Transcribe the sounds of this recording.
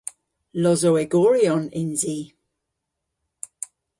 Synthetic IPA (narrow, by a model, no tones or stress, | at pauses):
lɔzowɛɡɔɹiɔnɪnziː